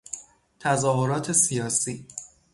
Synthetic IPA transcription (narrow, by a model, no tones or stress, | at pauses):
t̪ʰæzɒːɦoɾɒːt̪ʰe̞sijɒːsiː